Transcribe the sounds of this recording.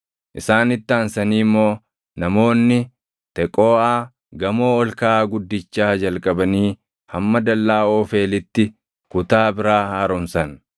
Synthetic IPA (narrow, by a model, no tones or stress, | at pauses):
ʔɪsaːnɪt̪ːaːnsɐniːmːo̞ː | nɐmo̞ːnːɪ | t̪ɛkʼo̞ːaː | ɡɐmo̞ːɔlkaːɡʊd̪ːɪt͡ʃːaːd͡ʒɐlkʼɐbɐniː | hɐmːɐd̪ɐlːaːoːfe̞ːlɪt̪ːɪ | kʊt̪aːbɪɾaːhaːɾʊmsɐn